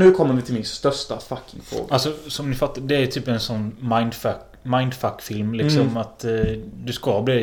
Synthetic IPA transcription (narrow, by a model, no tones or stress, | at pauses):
nʉ̟ːkʰɔmːəɾvɪt̪ʰɪlmɪnst̪œʂtafakːɪŋfɾo̰ːɡaalsɔsɔmnɪfat̪ːad̪ɛæjt̪ʰyːpɛnsɔnːmaɪnd̪fak | maɪnd̪fakːfɪlmlɪksɔmat̪d̪ɵskɑbliː